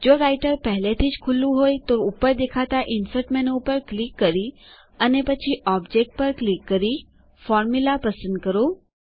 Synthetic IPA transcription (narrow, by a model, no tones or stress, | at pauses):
d͡ʒoːɾaːɪʈəɾpɛɦlet̪ʰit͡ʃkʰʊlũɦoːit̪oupːəɾd̪eːkʰat̪aʔɪnsəʈmenuːpəɾklikːəɾi | ənepɐt͡ʃʰiʔɔːbd͡ʒeːk̚ʈ̚pɐɾklikːəɾi | fɔːɾmulapɐsə̃nd̪̚kəɾo